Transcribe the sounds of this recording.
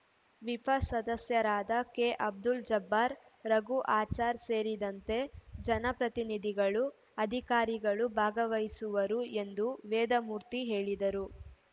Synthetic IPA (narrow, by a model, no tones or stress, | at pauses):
ʋipɐsɐd̪ɐsjɐɾaːd̪ɐkeːʔɐb̚d̪uld͡ʒɐbːaːɾɾɐɡuʔaːt͡ʃaːɾse̞ːɾid̪ɐnt̪e̞d͡ʒɐnɐpɾɐt̪inid̪ʱiɡɐɭu | ɐd̪ʱikaːɾiɡɐɭubʱaːɡɐʋɐjsuʋɐɾue̞nd̪uʋɛːd̪ɐmuːɾt̪iɦe̞ːɭid̪ɐɾu